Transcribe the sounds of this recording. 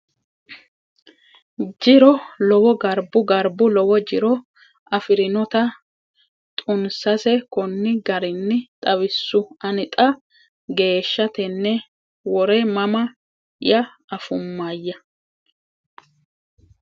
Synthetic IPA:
d͡ʒɪɾɔlɔwɔɡɐɾbʊɡɐɾbʊlɔwɔd͡ʒɪɾɔ | ɐfɪɾɪnɔt̪ɐ | t̪ʼʊnsɐsɛkɔnːɪɡɐɾɪnːɪt̪ʼɐwɪsːʊɐnɪt̪ʼɐ | ɡe̞ːʃːɐt̪ɛnːɛ | wɔɾɛmɐmɐ | jɐː | fʊmːajːɐ

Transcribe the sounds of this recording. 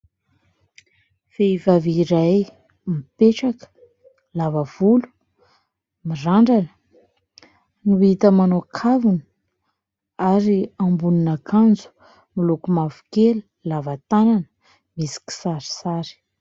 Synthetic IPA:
feivaviɾaj | mipeʈ͡ʂakə̥ | lavəv̥ulu̥ | miraɳɖ͡ʐanə̥ | nuit̪əmanokʰavunə̥ | aɾiambuninakʰand͡zu̥ | milukumavu̥keli | lavat̪ananə | misi̥ki̥saɾi̥saɾi̥

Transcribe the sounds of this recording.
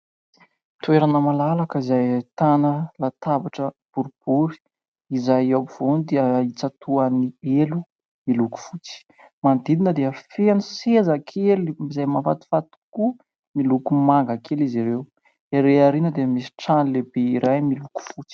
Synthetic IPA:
t̪uweɾanəmalalakəizajt̪anəlat̪abaʈ͡ʂə | b̥uɾub̥uɾi̥ | izajapiv̥onid̪eəit͡sat̪uanielu | miluku̥fut͡si̥ | mand̪id̪inəd̪eəfeanisezakʰeliizajmafat̪i̥fat̪u̥ku | milukumaŋɡakʰeliziɾew | eɾeaɾinəd̪eəmisi̥ʈ͡ʂanilebeiɾʔajmiluku̥fut͡si̥

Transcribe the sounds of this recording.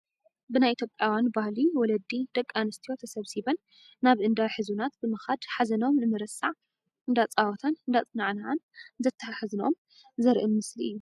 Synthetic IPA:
bɨnajʔit̪ʰjopʼːjawjanbahliwɔlɐd̪ːid̪̥ɐkʼːanɨst̪ʰijo̞t̪ʰɐsɐβsiβɐnː | aβʔɨnd̪aħɨzunat̪bɨmɨxad̪ħazɐno̞mnɨmɨɾɐsʼaʕ | ʔɨnd̪at͡sʼawɔt̪ʰanɨnd̪at͡sʼɨnaʕnaanzɐt̪ʰːaħaħaznom | zɐɾʔimːɨsliʔɨjːu

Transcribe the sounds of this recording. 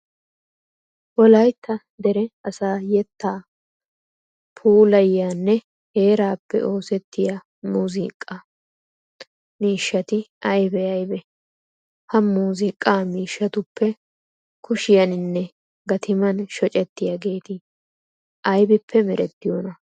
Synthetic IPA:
wɔlɐjt̪ːɐ | d̪ɛɾɛɐsaːjɛt̪ːaː | pʰuːlɐjːaːnːɛ | he̞ːɾaːpːɛ̰ʔo̞ːsɛt̪ːɪja | muːziːkʼːɐ | miːʃːɐt̪ɪʔɐjbɛɐjbɛ | hɐmuːzɪkʼːaːmiːʃːɐt̪ʊpːɛ | kʰʊʃɪjɐnɪnːɛ | ɡɐt̪ʰɪmɐnʃɔt͡ʃʼɛt̪ːɪjaɡe̞ːt̪ɪ | ʔɐjbɪpːɛmɛɾʔɛt̪ːɪjoːnɐ

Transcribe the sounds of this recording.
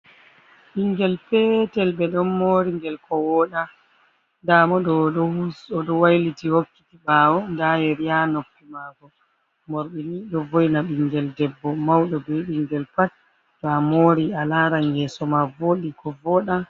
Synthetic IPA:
ɓiŋɡɛlpɛtɛlɓɛɗɔnmoːɾiŋɡɛlkɔwɔɗa | damɔɗɔɔuɔɗɔwajlitihokːitibaːwɔndajɛɾjanoktːimaɡɔ | moɾɓiniɗɔvojnaɓiŋɡɛldɛbːɔmawɗɔbɛɓiŋɡɛlpat̚ | tɔamoːɾialaɾaŋɡɛsɔmavoɗikɔvɔːɗa

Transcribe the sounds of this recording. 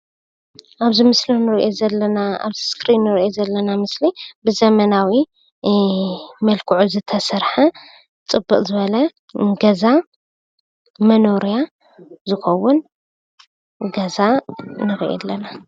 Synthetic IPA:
ʔaβzimɨslinɨɾiʔezɐlːɐnaa̰βskʰɾinːɨɾʔezɐlːɐnamɨslibɨzɐmɐnawi | mɐlkʰuʕuzɨt̪ʰɐsɐɾħɐ | t͡sʼɨbːɨqʼzɨβɐlɐ | ɡɐza | mɐno̞ɾija | zɨxɐwːʊn | ɡɐzanɨxʔɛ̰lːɐna

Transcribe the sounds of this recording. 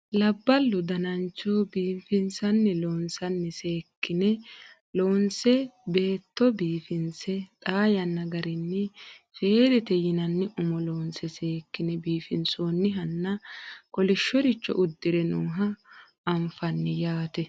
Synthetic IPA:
lɐbːɐlːʊd̪ɐnɐnt͡ʃːoːbiːfɪnsɐnːɛloːnsɐnːɪseːkːɪnɛ | loːnsɛbe̞ːt̪ːɔbiːfɪnsɛt̪ʼaːjɐnːɐɡɐɾɪnːɪfe̞ːd̪ɛt̪ɛjɪnɐnːɪʔʊmɔloːnsɛseːkːɪnɛbiːfɪnsoːnːɪɦɐnːɐkɔlɪʃːɔɾɪt͡ʃːɔ̰ʔʊd̪ːɪɾɛnuːɦɐː | mfɐnːɪjaːt̪ɛ

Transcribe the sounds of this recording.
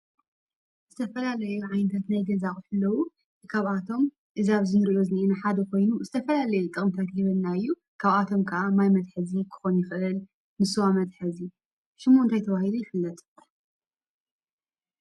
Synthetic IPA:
zɨt̪ʰɐfɐlalɐjuʕajnɐt̪ʰat̪najɡɐzaχʼħɨlːɐwu | ɨkʰaβʔat̪ʰo̞m | ʔɨzaβzɨnɨɾʔjozɨnʔenaħad̪ɐkʰo̞jnuzɨt̪ʰɐfɐlalɐjut̪ʼɨxʼmt̪ʰat̪jɪβɨlnaɨjːu | kʰaβat̪ʰo̞mkʰɐʔamajmɐd̪ħɨzikʰɨ̥xo̞njɪfɨʔɨl | nɨsɨwamɐd̪ħɨzi | ʃɪmːont̪ʰajt̪ʰɐβahilujɪfɨlːɐt̪ʼ

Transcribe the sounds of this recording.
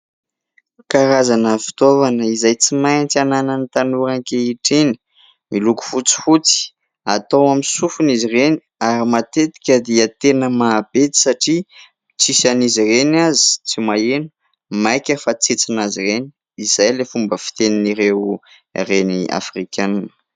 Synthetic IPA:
kaɾazanəfi̥t̪ovanəizajt͡simajnt͡siananənit̪anuɾaŋkeiʈ͡ʂeni̥ | miluku̥fut͡si̥fut͡si̥ | at̪owamisufunizireni̥aɾimat̪et̪i̥kʲəd̪iət̪enəmaːb̥et̪i̥saʈ͡ʂi | t͡sisanizirenazi̥t͡simaenu̥ | majkʲəfat͡set͡sinazireni | izajlefumbəfi̥t̪eniniɾew | renia̰frikʲananə̥

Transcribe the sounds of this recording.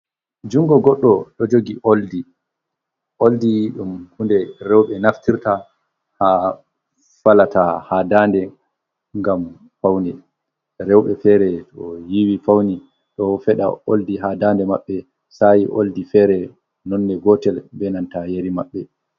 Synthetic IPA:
d͡ʒuŋɡɔɡɔɗːɔɗɔd͡ʒoɡiʔoldi | ʔoldiɗumhundɛɾɛwɓɛnaftiɾta | ha | falatahadandɛ | ŋɡam | fawnɛ | ɾɛwɓɛfɛɾɛtɔjiwifawni | ɗɔfɛɗa̰oldiɦadandɛmaɓːɛ | sajiʔo̰ldifɛɾɛ | nɔnːɛɡɔtɛlbɛnantajeɾimaɓːɛ

